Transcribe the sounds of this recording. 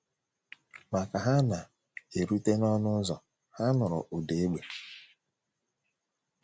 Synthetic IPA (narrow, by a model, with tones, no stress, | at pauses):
ma˨ka˨ɦa˦na˨ | e˨ɾu˦te˦nɔ˦nʊ˦zɔ˨ | ha˦nʊ˨ɾʊ̰˨ʔu˨de˨e˦ɡ͡be˨